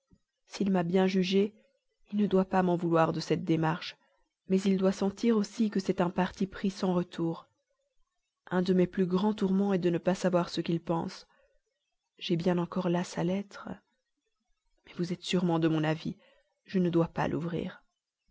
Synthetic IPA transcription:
silmabjɛ̃ʒyʒe | ilnəd̪wapamɑ̃vulwaʁd̪əsɛt̪̚d̪emaʁʃ | mɛzild̪wasɑ̃t̪iʁosikəsɛt̪ɛ̃paʁt̪ipχisɑ̃ʁət̪ʰuːʁ | ɛ̃d̪əmɛplyɡʁɑ̃t̪uʁmɑ̃ɛd̪ənəpasavwaʁsəkʲilpɑ̰̃s | ʒ̥ɛbjɛ̃nɑ̃kɔʁlasalɛt̪χə | mɛvuzɛt̪syʁmɑ̃d̪əmɔ̃navi | ʒənəd̪wapa̰lʔṵvʁḭːʁ

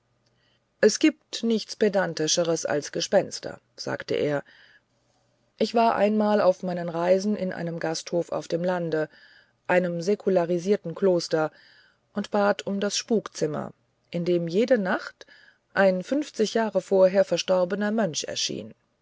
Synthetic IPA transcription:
ʔɛsɡ̥iːp̚tnɪçt͡spedantɪʃəʁəsa̰lsɡ̥əʃpɛnstɐ̰ | z̥a̰ːktə̰ʔḛːɐ | ʔɪçv̥aːɐʔa̰ɪnmaːla̰ʊfmaɪnənʁaɪzn̩ʔɪnʔa̰ɪnəmɡasthoːfa̰ʊfd̥eːmlandə | ʔaɪnəmzekʰulaʁiziːɐtn̩kloːstɐ | ʔʊntb̥aːtʰʊmdasʃpuːkt͡sɪmɐ̰ | ʔɪndeːmjeːdənaχt | ʔaɪnfʏnft͡sɪçjaːʁəfoːɐɦeːɐfɛɐʃtɔɐbənɐmœnʃɛ̰ɐʃḭːn

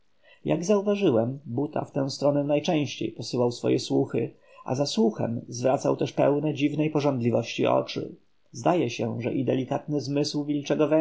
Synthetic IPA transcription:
ja̰ɡzauvaʐɘwɛmbut̪ʰa̰ft̪ɛ̃w̃st̪ɾɔnɛnajt͡ʂɛ̃w̃ɕt͡ɕḛjpɔsɘwawsfɔ̰jɛswuxɘ̰ | ʔa̰zaswuxɛ̰mzvɾat̪sawt̪ɛʂpɛ̰wnɛd͡ʑivnɛjpɔʐɔnd̪lʲivɔɕt͡ɕiɔ̰t͡ʂɘ̰ | zd̪ajɛɕɛʐɛ̰ʔid̪ɛlʲikat̪nɘzmɘswvʲilt͡ʂɛɡɔvɛ

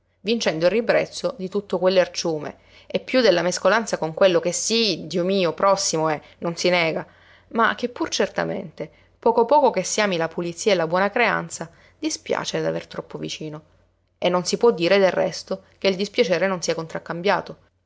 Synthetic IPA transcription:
vint͡ʃɛnd̪oirːibɾɛ̰t̪sːod̪it̪ut̪ːokwelːoert͡ʃuːmḛ | epːjud̪elːameskolant̪sakoŋkwelːokesːid̪iːomiːopɾɔsːimoɛ | nːonsinɛːɡa | ma̰k̟ːepːurt͡ʃert̪a̰mḛnt̪e | pɔːkopɔːkokesːiaːmilapulit̪sːiːaelabwɔːnakɾea̰nt̪sa | d̪ispja̰ːt͡ʃed̪a̰vert̪ɾɔpːovit͡ʃiːno | enːonsipwɔd̪ːiːɾed̪erːɛ̰st̪ok̟eild̪ispjat͡ʃɛːɾenonsiːakont̪ɾakːambja̰ːt̪o

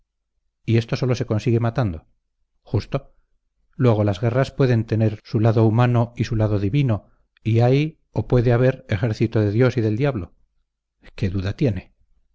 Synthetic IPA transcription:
ie̞st̪o̞so̞lo̞seko̞nsiɣe̞mat̪and̪o̞ | xust̪o̞ | lwe̞ɣ̞o̞lazɣe̞raspwe̞ðe̞nt̪e̞ne̞ɾsulaðoumano̞isulaðo̞ðiβino̞ | iaj | opwe̞ðeaβ̞e̞ɾe̞χe̞ɾθit̪oðe̞ðjo̞siðe̞ld̪jaβlo̞ | ke̞ðuðat̪je̞ne̞

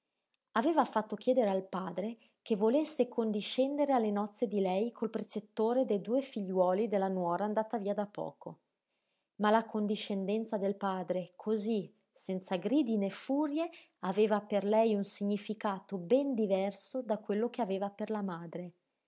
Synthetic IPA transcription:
aveːvafat̪ːok̟jɛːd̪eɾealpaːd̪ɾe | kevolesːekʰond̪iʃɛnd̪eɾealːenɔt̪sːed̪ilɛjkʰolpɾet͡ʃet̪ːoːɾed̪ejd̪uːefiʎːwɔːlid̪elːanwɔːɾaːnd̪aːt̪aviːad̪apːɔ̰ːko | malakond̪iʃːend̪ɛnt̪sad̪elpaːd̪ɾekʰozi | sɛnt̪saɡɾiːd̪inefuːɾje | aveːvaperlɛjunsiɲːifikaːt̪obɛnd̪ivɛrsod̪akːwelːokeaveːvaperlamaːd̪ɾe

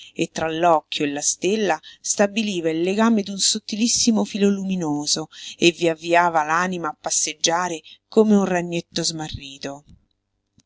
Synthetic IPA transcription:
et̪ːɾalːɔkːjoelːast̪elːast̪abiliːvailːeɡaːmed̪unsot̪ːilisːimofiloluminoːzoevːiavːiaːvalaːnimaːpːasːed͡ʒːaːɾekomeunraɲːet̪ːozmarːiːt̪o

